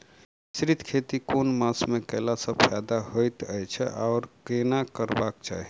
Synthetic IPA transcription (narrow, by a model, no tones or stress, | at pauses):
sɾit̪ʰkʰet̪ikonmasmekəlasəpʰad̪aɦojt̪əjt͡ʃʰɛ̰ʔaʊɾkenakəɾbakt͡ʃa̰ɦii